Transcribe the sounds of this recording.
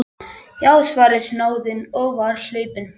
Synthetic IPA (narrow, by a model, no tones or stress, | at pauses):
awsvaːɾɪsnaːwðɪnɔɣvaɾl̥œːɥpɪn